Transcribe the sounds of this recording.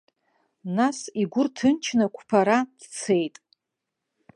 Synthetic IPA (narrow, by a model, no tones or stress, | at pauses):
nasiɡʷʊrtʰɨnt͡ʃʰnakʷʰpʰaɾad̥t͡sʰe̞jtʼ